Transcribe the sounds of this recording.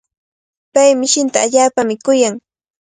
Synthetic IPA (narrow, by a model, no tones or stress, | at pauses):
pajmɪʃɪnt̪aːʎaːpamɪkʊjaŋ